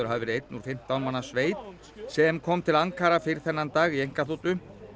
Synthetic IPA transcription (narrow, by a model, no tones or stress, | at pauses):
ʏɾ̥ɦavɪvɛɾejt̪̚nuɾ̥fɪm̥t̪awnmanːasveːjt̪ | sɛmkʰɔːmt̪ʰɪlaŋkʰaːɾafɪɾɪɾ̥θɛnːant̪aːɣiejŋkaθuːt̪ʏ